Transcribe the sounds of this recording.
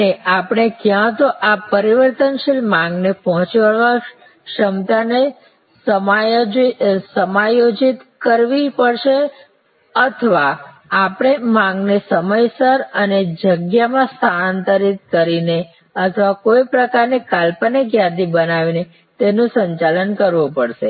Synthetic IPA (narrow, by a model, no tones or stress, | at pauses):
neapɽ̃ekjãt̪oʔapəɾiʋəɾt̪ənʃilmãŋɡnepɔɦɔ̃t͡ʃʋaʋa | ʃəmt̪ane | səma | səmajod͡ʒit̪kəɾʋipəɽʃe | ət̪ʰəʋaː | pɽ̃emãŋɡnesəməjsəɾəned͡ʒəɡjamãst̪ʰant̪əɾit̪̚kəɾine | ət̪ʰəʋakojpɾəkaɾnikalpəneɡjãd̪ibənaʋine | t̪enũsəɲt͡ʃalənkəɾʋũpəɽʃḛ